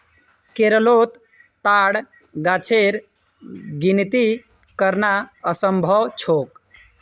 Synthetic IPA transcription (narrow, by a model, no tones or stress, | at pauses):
keɾəlot̪ː | aɽ | ɡat͡ʃʰeɾ | ɡint̪i | kəɾnaəsəmbʱəwt͡ʃʰok